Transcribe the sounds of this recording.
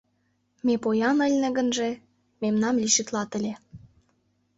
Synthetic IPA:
mepojɑnə̆lʲnĕɣə̆nʒĕ | memnɑmlʲiʃɘt̪lɑt̪ə̆lʲe

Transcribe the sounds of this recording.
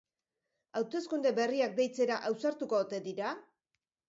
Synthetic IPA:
awt̪e̞skund̪e̞be̞riak̚d̪ejt͡se̞ɾaʔawsaɾt̪uko̞t̪e̞d̪iɾa

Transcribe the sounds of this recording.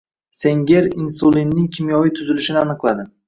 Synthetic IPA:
se̞ŋɡʲeɾinsulinːɪŋkʲʰɪmjɒvɪt̪ʰʊzɪlɪʃɪnɪanɨqlˠad̪ɪ

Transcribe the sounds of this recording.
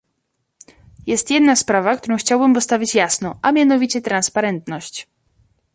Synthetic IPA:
jɛst̪jɛd̪naspɾavakt̪uɾɔ̃w̃xt͡ɕawbɘmpɔst̪avʲit͡ɕjasnɔʔamʲjanɔvʲit͡ɕɛt̪ɾanspaɾɛnt̪nɔɕt͡ɕ

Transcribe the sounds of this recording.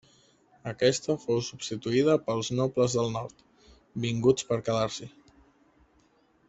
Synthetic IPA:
əkɛst̪əfowsubst̪it̪uiðəpəlˠznopləzðəlˠnɔɾt̪ | biŋɡut͡spəɾkəðaɾsi

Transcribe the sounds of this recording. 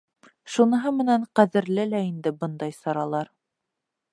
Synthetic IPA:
ʃunɤ̆ɦɤmɘ̆næɴqæðɘ̆ɾlɘlæind̪ɘbɤnd̪ɑjsɑɾɑlˠɑɾ

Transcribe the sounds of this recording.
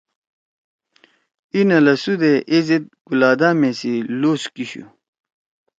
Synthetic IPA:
inɐlɐsud̪eʔezet̪̚ɡ̥ulaːd̪aːmesiloːskiɕṵ

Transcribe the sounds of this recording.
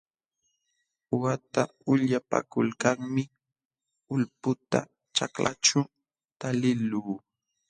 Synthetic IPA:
ʊwat̪aʊʎapa̰kʊlkaŋmɪ | ʊlpʊt̪a̰ | t͡ʃakla̰ʈ͡ʂʊ | t̪alɪluː

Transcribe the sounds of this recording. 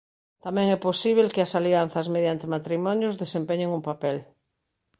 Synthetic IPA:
t̪amɛ̃ŋɛposiβ̞elkɪɐsalian̟θɐzmeðjant̪emat̪ɾimɔnjʊzðesempeɲeŋumpapɛl

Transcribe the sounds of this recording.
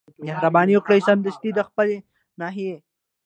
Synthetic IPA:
mehɾabɑːniokɽəjsɐnd̪əst̪id̪əxpəle | naːɦie

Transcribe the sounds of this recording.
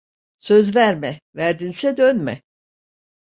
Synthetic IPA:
sø̞zvæɾmɛvæɾd̪insɛd̪ønmɛ

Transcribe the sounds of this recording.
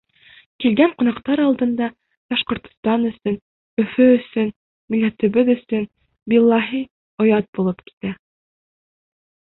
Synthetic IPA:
kilɡæɴqŏnɑqt̪ɑɾɑlˠd̪ɤ̆nd̪ɑ | b̥ɑʃqŏɾt̪ŏ̥st̪ɑnɵ̆sɵn | ɵ̆fɵɵ̆sɵn | milːæt̪ɵ̆βɘðɵ̆sɵn | bilˠːɑɦi | ŏjɑt̪̚bulˠɤpki̥t̪æ

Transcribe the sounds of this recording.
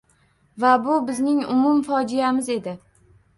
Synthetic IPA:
vabʊbɪznɪŋʊmʊmfɒd͡ʒijamɪze̞d̪ɪ

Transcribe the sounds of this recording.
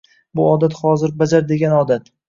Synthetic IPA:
bʊɒd̪at̪χɒzɪɾbad͡ʒaɾd̪e̞ɡʲanɒd̪at̪

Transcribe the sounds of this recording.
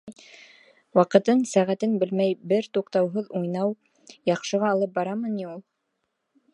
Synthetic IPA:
wɑqɤ̆t̪ɤɴsæʁæt̪ɘnbɘlmæjbɘɾt̪uqt̪ɑwɦɤðujnɑw | jɑqʃɤ̆ʁɑːlˠɤp̚bɑɾɑmɤniulˠ

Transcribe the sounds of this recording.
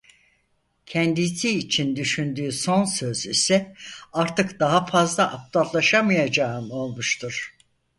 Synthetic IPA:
cʰɛnd̪isiːt͡ʃʰind̪yʃynd̪yːso̞nsø̞zisɛaɾt̪ʰɯkd̪aɦafazlˠaʔap̚t̪ʰat̪lˠaʃamɯjad͡ʒaːɯmo̞lˠmuʃt̪ʰuɾ̥

